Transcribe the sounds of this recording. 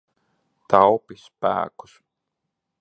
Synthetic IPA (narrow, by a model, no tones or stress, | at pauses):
t̪awpispæ̰ːku̥s